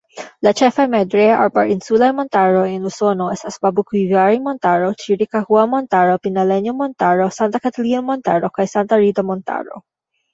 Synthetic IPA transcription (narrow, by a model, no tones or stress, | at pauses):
lat͡ʃɛfamɛd̪ɾɛa̰ɾbaɾinsulajmɔnt̪aɾoinusɔnoɛsasbabukwivjaɾimɔnt̪aɾot͡ʃiɾikahuamɔnt̪aɾopinalɛɲumɔnt̪aɾosant̪akat̪alinomɔnt̪aɾokajsant̪aɾid̪amɔnt̪a̰ɹo̰